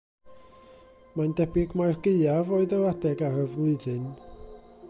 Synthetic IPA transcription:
mandɛbɪɡmajrɡeɨavoɨðəadɛɡaɾəvlˠɨdɨn

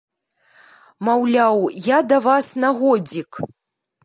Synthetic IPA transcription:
mawlʲawjad̪avasnaɣɔd͡zʲik

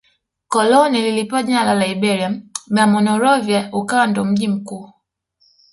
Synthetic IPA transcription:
kɔlɔnililipaɲalalaibɛɾiaɓamɔnɔɾɔvjaukawandɔm̩ʄim̩kuː

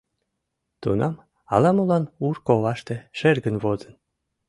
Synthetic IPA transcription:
t̪ṵnɑm | ɑ̰lɑmulɑnurkoβɑʃt̪eʃerɣənβozən

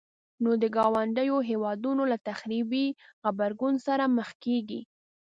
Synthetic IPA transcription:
nod̪əɡɑwaɳɖəjoɦewɑd̪unolat̪axɾibixabaɾɡunsaɾaməxkeɡḭ

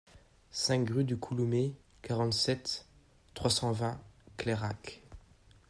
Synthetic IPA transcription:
sɛ̃kʁyd̪ykʰulume | kaʁɑ̃t̪sɛt̪ː | χwasɑ̃vɛ̃kleʁak

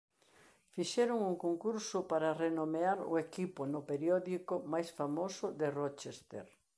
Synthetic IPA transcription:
fiʃɛɾʊŋuŋkoŋkuɾsʊpaɾɐrenomeaɾʊ̰ekipʊnʊpeɾjɔðikʊmajsfamosʊðɪrot͡ʃest̪ḛɾ

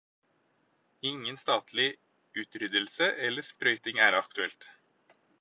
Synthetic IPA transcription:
ɪŋːənst̪ɑːt̪ʰlɪ | ʉːt̪ɾʏd̪əlsəʔɛlːəspɾœʏt̪ɪŋæːɾɑkt̪ʉɛlt̪

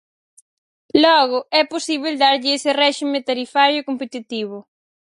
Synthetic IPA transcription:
lɔɣʊɛposiβ̞eld̪aɾʎɪesɪrɛʃimet̪aɾifaɾjʊkompet̪it̪iβ̞ʊ

